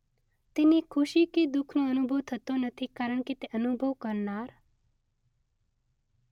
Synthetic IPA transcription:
t̪enikʰʊʃiked̪ukʰnõənubʱəʋt̪ʰət̪onət̪ʰikaɾəɳ̃ket̪eʔənubʱəʋkəɾnaːɾ

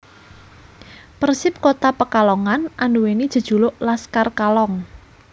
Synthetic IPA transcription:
pərsɪp̚kot̪apəkalɔŋanʔanuwenid̥ʒ̥ə̤d̥ʒ̥ṳloʔlaskarkalɔŋ

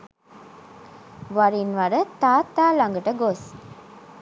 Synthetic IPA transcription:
ʋɐɾinʋɐɾət̪aːt̪ːaːlɐŋɡəʈəɡos

